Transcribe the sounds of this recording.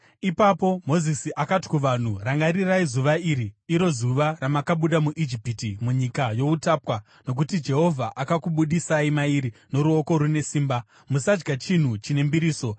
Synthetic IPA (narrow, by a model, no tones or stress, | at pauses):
ipapo̞mo̞zisiʔakati̥kuʋan̤uraŋɡaɾiraizuʋaiːɾiiɾo̞zuʋaramakaɓuɗamuʔid͡ʒipitimuɲikajo̞utaːpwa | no̞k̬utid͡ʒe̞ɦo̞vʱaʔakakuɓuɗisaimaiɾino̞ɾuo̞ko̞ɾune̞siːmba | musad͡ʒɡat͡ʃin̤ut͡ʃine̞mbiɾiːso̞